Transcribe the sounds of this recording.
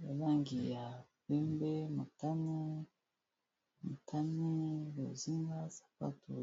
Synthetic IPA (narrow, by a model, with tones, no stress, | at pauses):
ja˨la˦˨ŋɡi˨ja˨pe˦mbe˦ma˨ta˦ni˦ | mu˨tʰa˦ni˦lo˨zi˦ŋɡa˦sḁ˨pa̰˦to˨